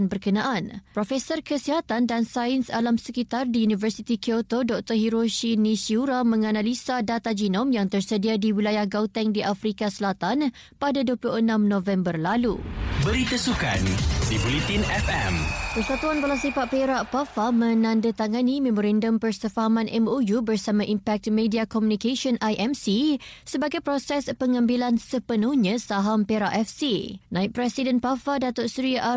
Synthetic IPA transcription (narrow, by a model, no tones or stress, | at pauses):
nbərkənãʔanpɾofɛsɔrkəsiɦat̪andansaənsalamsəkit̪ardiunivərsit̪ikiot̪odɔk̚t̪ɔhiɾoʃinĩsiuɾamə̃ŋanãlisadat̪ad͡ʒinɔmjaŋt̪ərsədiadiwilajahɡawt̪ɛŋdiʔafɾikasəlat̪an | padaduəpluhənãmnɔ̃vɛmbərlalubəɾit̪əsuka̰nsibolit̪inɛfɛ̰mpərsat̪uanbalasifaʔpeɾaʔpafamə̃nãndət̪aŋanimemɔɾandəmpərsəfaɦamãnʔɛ̰mojubərsamãʔimpɛk̚t̪mẽdiakɔmjũnikaʃɔnʔajʔɛmsisəbaɡajpɾɔsɛspəŋambilansəpənuhɲə̃saɦampeɾaʔɛfsinãɪʔ̚pɾɛsidənpafadat̪oʔsɾiʔa